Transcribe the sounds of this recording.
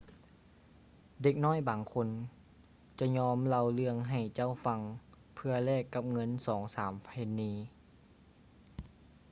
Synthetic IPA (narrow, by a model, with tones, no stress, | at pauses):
de˧˩k̚nɔː˥˨jbaː˨˩ŋkʰo˧˥n | t͡ɕa˧˩ɲɔː˧˥mla˧wlɯ˧˥˧əŋɦa˨˩jt͡ɕa˥˩˨wfa˧ŋ | pʰɯ˧ɐlɛː˥˩kːa˧˦p̚ŋɤ˧˥˨nsɔː˩˦ŋsaː˩˦mpʰa˧e˧˥nːiː˧˥